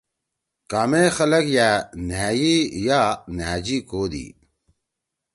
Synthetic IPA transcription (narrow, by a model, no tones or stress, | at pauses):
kaːmexɐlɐkjaːnaːjijaːnaːd͡ʑiːkoːd̪ḭː